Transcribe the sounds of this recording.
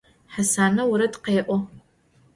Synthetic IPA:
ħasaːnɐwuɾɐdqeːʔʷɔ

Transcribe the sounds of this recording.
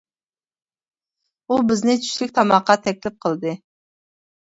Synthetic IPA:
ubɪznɪt͡ʃ̪ʰy̥ʃlʲɪk̚ʲt̪ʰɑmɑqːɑt̪ʰɛkʲlɪp̚qʰəlˠd̪ɨ

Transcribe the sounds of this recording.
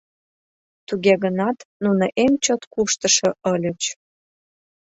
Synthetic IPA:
t̪uɣeɣənɑt̪nunəʔemt͡ɕot̪kuʃt̪ə̆ʃɤ̆ʔɤlʲə̆t͡ɕ

